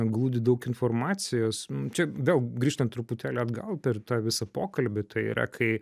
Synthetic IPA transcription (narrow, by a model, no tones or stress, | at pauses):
ɡlˠuːd̪ʲɪd̪ɐʊkɪnfoːrmɑːt̪sʲɪjoːsnt͡ʃʲɛʋʲeːlˠɡɾʲiːʃt̪ɐnt̪ːɾʊpʊt̪ʲæːlʲɛɐd̪ɡɐlˠpʲɛrt̪ɑːʋʲɪsɐpoːkɐlʲbʲɪt̪ɐɪḭɾɐ̰kʰɐɪ